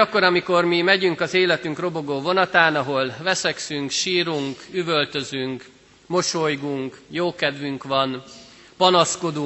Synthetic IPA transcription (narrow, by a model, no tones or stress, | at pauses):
ɒkːo̞ɾɒmiko̞rmimɛɟyŋkɒzeːlɛt̪yŋkro̞bo̞ɡoːvo̞nɒt̪aːnɒɦo̞lvɛsɛksyŋkʃiːɾuŋkyvølt̪øzyŋk | mo̞ʃojɡuŋkjoːkɛd̪vyŋkʋɒn | pɒnɒsko̞d̪u